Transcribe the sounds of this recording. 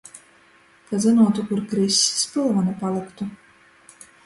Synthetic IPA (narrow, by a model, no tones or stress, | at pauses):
kazɨnuɔt̪ukuɾkɾisʲːi̥spɨlˠvanɛpalˠɨkt̪u